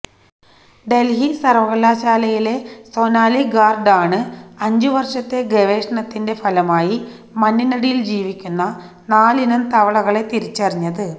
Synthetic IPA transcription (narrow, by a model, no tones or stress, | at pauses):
ɖe̞lɦisɐrʋɐɣɐlaːɕaːlɐjile̞so̞ːnaːliɡaːrɖaːɳɨɐɲd͡ʑuʋɐrʂɐt̪ːe̞ɡeʋe̞ːʂɐɳɐt̪ːinde̞fɐlɐmaːji | mɐnːinɐɽijild͡ʑiːʋikʲːunːɐ | naːlinɐmt̪ɐʋɐɭɐɣɐɭe̞t̪iɾit͡ɕːɐriɲːɐðɨ